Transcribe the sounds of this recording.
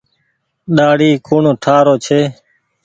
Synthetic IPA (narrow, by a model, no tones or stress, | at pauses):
ɗaːɽiːkʊːɳoːʈʰaːɾoːt͡ʃʰeː